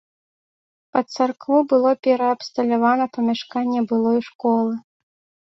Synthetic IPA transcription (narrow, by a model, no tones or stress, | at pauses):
pɐt̪sarkvubɨlˠɔpʲɛɾɐːpst̪ɐlʲavanɐpɐmʲaʂkanʲːɛbɨlˠɔjʂkɔlˠɨ